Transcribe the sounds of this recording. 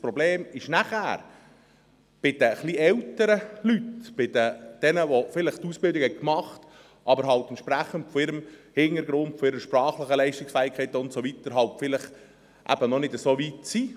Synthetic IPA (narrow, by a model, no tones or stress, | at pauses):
spɾɔbleːmɪʃnæχæ̰ːɾ | b̥ɪd̥̪əχliɛltəɾəlytb̥ɪd̥̪əd̥ɛnəʋofɪləχtuːsb̥ɪldɪkhɛt̚kmɑχt | ʔɑbəɾɦɑlt̪ɛntt͡ʃʃpɾæχːəntfɔɪɾəmhɪŋəɾɡɾʊntfɔɪɾəʃprɑːχləχəlɛɪʃtɪksfæːɪkʰχɛɪtəʊntsoʋit̪əɾɦɑltfɪlɪχ | ʔæ̰b̥ənɔnɪdəsoːʋitsiː